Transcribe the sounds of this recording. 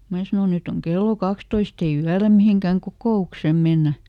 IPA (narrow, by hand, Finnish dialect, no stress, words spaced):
mæː sɑno nyt oŋ kelːo kɑkstoist ei yælæ miheŋkæˑŋ kokoˑuksem̆ menːæ